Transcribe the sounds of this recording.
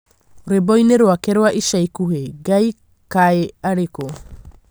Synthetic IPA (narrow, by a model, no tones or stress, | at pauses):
oɾebojneɾoakeɾoaʔisajkuɦeɡaj | kaeaɾeko